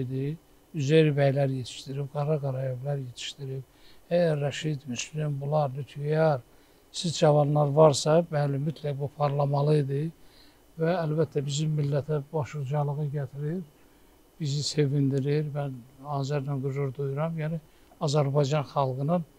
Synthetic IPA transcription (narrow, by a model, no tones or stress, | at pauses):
d̪i | yzejɾibæjlæɾjet̪ʰi̥ʃt̪iɾibɡɑɾɑɡɑɾɑjevlæɾjet̪ʰi̥ʃt̪iɾib̚ | æjæɾːæʃid̪myslimbulˠɑɾnyt̪ʰyjɑɾ | sizd͡ʒɑvɑnlˠɑɾvɑɾsɑbælymyt̪ʰlæbupʰɑɾlˠɑmɑlˠɯid̪i | væːlbæt̪ʰːæbizimːilːæt̪ʰæbɑʃuɾd͡ʒɑlˠɯɣɯɟæt̪ʰiɾiɾ | b̥izise̞vind̪iɾiɾmænhɑːzæɾnænɡuzuɾd̪ujuɾɑmjæni | ɑzæɾbɑjd͡ʒɑnxɑlˠɡɯnɯn